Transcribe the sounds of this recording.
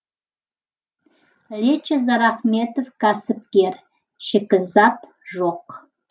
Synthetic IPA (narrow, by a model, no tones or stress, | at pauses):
lʲet͡ʃʰezɑɾɑχmet̪ofkasɨp̚kʲer | ʃɪkʲɪzɑt̪ | ʒoq